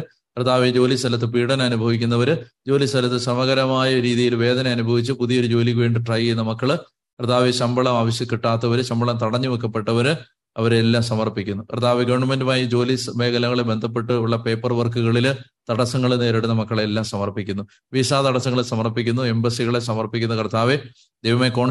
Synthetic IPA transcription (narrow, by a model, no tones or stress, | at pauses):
krɐd̪aːʋid͡ʑo̞ːlist̪ʰɐlɐt̪ːɨpiːɽɐnɐnubʱɐʋik̬ʲːunːɐʋɐɾɨd͡ʑo̞ːlist̪ʰɐlɐt̪ːɨsɐmɐɣɐɾɐmaːjɐɾiːðijilʋe̞ːd̪ɐnɐɐnubʱɐʋit͡ɕːɨpuðijoɾud͡ʑo̞ːlikʋeːɳɖɨʈrɐjunːɐmɐkːɐɭ | krɐd̪aːʋiɕɐmbʱɐɭɐmaːʋɐɕjɐkːiʈːaːt̪ːɐʋɐɾɨɕɐmbʱɐɭɐmt̪ɐɽɐɲːɨʋekːɐpːe̞ʈːɐʋɐɾɨ | ɐʋɐɾelːaːmsɐmɐrpikʲːunːukrt̪ʰːaːʋeɡɐʋɐɳɖmɐndɨmaːjid͡ʑo̞ːlisʋe̞ːɣɐlɐŋːɐɭebe̞nd̪ʱɐp̬ːe̞ʈːɨuɭːɐpe̞ːpːɐrʋɐrkuɣɐɭilt̪ɐɽɐsɐŋːɐɭneːɾiɽunɐmɐkːɐɭeelːaːmsɐmɐrpikʲːunːu | ʋisaːt̪ɐɽɐsɐŋːɐɭesɐmɐrpik̬ʲːunːue̞mbɐsiɣɐɭe̞sɐmɐrpikʲːunːukɐrt̪ʰaːʋe | d̪ejʋɐmeko̞ːɳ